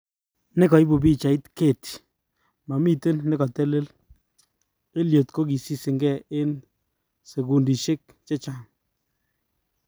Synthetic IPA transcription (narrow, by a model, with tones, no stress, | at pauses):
nɪ˦kɔ˨i˦bu˨bi˦t͡ʃa˨ɪ˦t̪ke˦˨t̪ | ma˨mi˦˨t̪ɪ˦nːɪ˦kɔ˨t̪ɛ˦le˦l | e˦ljo˨t̪ko˦ki˨si˦sɪ˨ŋɡɛ˦˨ɪ˦n | se˨ɡu˨ndi˨ʃɪ˦k̚ | t͡ʃe˦t͡ʃa˦˨ŋ